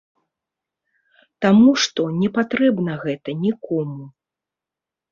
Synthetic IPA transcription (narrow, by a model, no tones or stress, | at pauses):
t̪amuʂt̪ɔnʲɛpat̪ɾɛbnɐɣɛt̪ɐnʲikʰɔmu